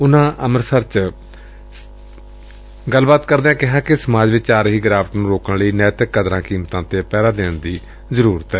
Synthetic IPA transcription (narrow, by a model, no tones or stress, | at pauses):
ʊnãːʔəməɾsəɾt͡ʃ | ɡəlbaːt̪kəɾd̪ãːkɪɦãːkɪsəmaːd͡ʒʋɪt͡ʃaːɾɦiːɡɾaːʋəʈnũːɾoːkənləiːnɛːt̪ɪkːəd̪ɾãːkiːmt̪ãːt̪eːpɛːd̪aːd̪eːɳd̪iː | zəɾuːɾət̪ɛː